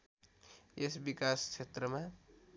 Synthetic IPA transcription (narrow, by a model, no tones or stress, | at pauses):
esbikaskt͡ʃʰet̪ɾəmã